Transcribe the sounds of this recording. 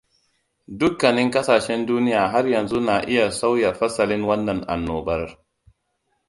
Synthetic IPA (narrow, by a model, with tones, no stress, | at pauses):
dʊ˦kːɐ˨nɪ˦ŋkɐ˦saː˨ʃɛ˦nduː˦nɪ˦jaː˨ɦa˦rjɐ˨nzu˦na˨ʔɪ˦ja˨sa˦wja˨ɸɐ˦sɐ˨lɪ˦nwɐ˦nːɐ˨nʔa̰˨nːoː˨bɐ˦r